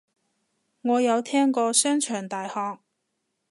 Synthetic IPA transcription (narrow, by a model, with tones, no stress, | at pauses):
ŋɔː˨˧jɐ˨˧wt̪ʰɛː˥ŋkɔː˧sœː˥ŋt͡ʃʰœː˨˩ŋt̪aː˨jhɔː˧k̚